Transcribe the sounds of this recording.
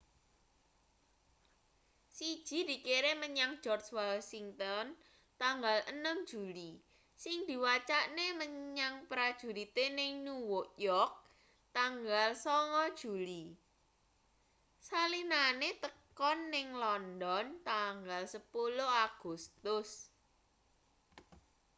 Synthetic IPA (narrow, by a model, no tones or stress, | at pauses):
sid̥ʒ̥i̤d̪̥i̤keɾeməɲaŋ̥ʒ̥ɔrt͡ʃwalsiŋt̪ɔn | t̪aŋɡalənəmd̥ʒ̥uli | sɪŋd̪̥i̤wat͡ʃaʔneməɲaŋpɾad̥ʒ̥ṳɾit̪enɪŋnuwʊʔjɔrk̚ | t̪aŋɡalsɔŋɔd̥ʒ̥uli | salinanet̪əkɔnːɪŋlɔndɔnt̪aŋɡalsəpuloaɡ̥ust̪ʊs